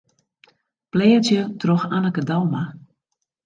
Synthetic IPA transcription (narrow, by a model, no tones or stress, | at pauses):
plɛːətjətroxanəkədalma